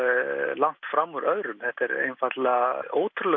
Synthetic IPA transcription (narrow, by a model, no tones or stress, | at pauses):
laŋ̥t̪fɾamːuɾœðɾʏmθɛht̪ɛɾḛjnfat̪laoːwt̪ʰɾʏlɛ